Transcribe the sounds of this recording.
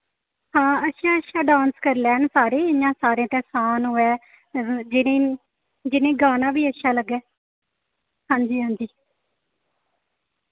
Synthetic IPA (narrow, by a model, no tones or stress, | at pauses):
hãːəʃaːəʃaːɖãːnskəɾlɛːɳsaːɾeːɪjãːsaːɾẽːt̪ɛːsaːnɦoɛː | d͡ʒɪneː | d͡ʒɪnẽːɡaːnãːbiːəʃaːləɡɛː | hãːɲd͡ʒiːɦãːnd͡ʒiː